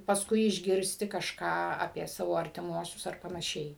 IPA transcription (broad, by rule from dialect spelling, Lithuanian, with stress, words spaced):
pɐsˈkʊɪ ɪʒʲˈɡʲɪrʲsʲtʲɪ kɐʃˈkɑː ɐpʲiɛ ˈsɑːʋoː ɐrʲtʲɪˈmuɔsʲʊs ɐr pɐnɐˈʃʲɛɪ